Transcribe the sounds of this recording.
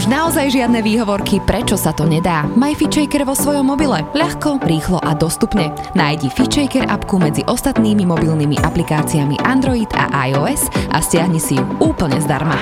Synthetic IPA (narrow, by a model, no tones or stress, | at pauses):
uʒnaɔzajʒɪad̪̚nɛʋiːɦɔʋɔɾkipɾɛt͡ʃɔsat̪ɔɲɛd̪aːmajfit͡ʃɛjkɛɾʋɔsʋɔjɔmːɔbilɛʎaxkɔɾiːxlɔʔad̪ɔst̪upɲɛ | naːjɟifit͡ʃɛjkɛɾa̰pkumɛd͡ziʔɔst̪at̪niːmimɔbilnimḭʔaplikaːt͡siamḭʔand̪ɾɔid̪a̰ʔajɔɛsʔa̰scɪaɦɲisijuuːpl̩ɲɛzd̪a̰ɾma̰